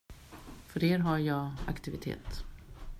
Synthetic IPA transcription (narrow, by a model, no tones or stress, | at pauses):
fœɾeːɾɦaɾjɑːa̰kt̪ɪvɪt̪ʰḛːt̪